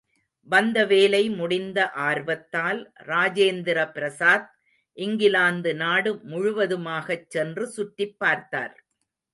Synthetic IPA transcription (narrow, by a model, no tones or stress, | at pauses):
ʋɐnd̪ɐʋeːlɐɪmʊɽɪnd̪ɐʔaːɾʋɐt̪ːaːlɾaːd͡ʒeːnd̪ɪɾɐpɪɾɐsaːð̚ | ʔɪŋɡɪlaːnd̪ɯnaːɽɯmʊɻʊʋɐðɯmaːɣɐt͡ʃːɛndrɯsʊʈːɪpːaːɾt̪a̰ːɾ